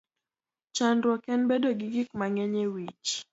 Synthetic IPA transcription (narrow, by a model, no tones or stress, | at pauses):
t͡ʃandwɔkɛnbedoɡɪɡikmaŋɛɲewit͡ʃ